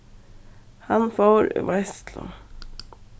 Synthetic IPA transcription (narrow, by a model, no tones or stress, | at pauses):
hɑnfoːɾʋɛst̪lʊ̰